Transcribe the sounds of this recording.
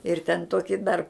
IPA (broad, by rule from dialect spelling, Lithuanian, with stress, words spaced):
ɪr tʲɛn ˈtoːkʲɪ dɐr